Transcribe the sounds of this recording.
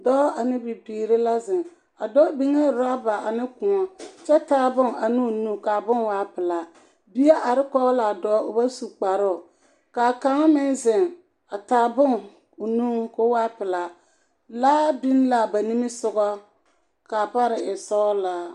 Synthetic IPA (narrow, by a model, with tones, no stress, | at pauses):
dɔ˦a˨nɪ˦bɪ˨biː˨ɾɪ˦la˦zɪ˨ŋ | a˨dɔ˦bi˦ŋɛ˦˨ɾa˦ba˨a˨nɪ˦kʊ̃˨ŋɔ˦t͡ʃɛ˦taː˨˦bʊ˦ŋa˨nɪ˦˨nu˦ka˨bʊ˦nwaː˦pɪ˨la˨ | bi˦a˦ʔa˨ɾɪ˦kɔ˦ɣla˨dɔ˨˦ʊ˨ba˦su˨k͡pa˨ɾʊ˦˨ | ka˨ka˨˦ŋ˦mɪ˦nzɪ˨ŋ | a˨taː˨bʊ˦ŋ | ʊ˨nu˦kʊ˦waː˦pɪ˨la˨ | laː˦bɪ˦n˦la˨ba˨ni˦mɪ˦sʊ˨ɡɔ˦ | ka˨pa˦ɾɪ˨ɪ˨sɔ˦la˨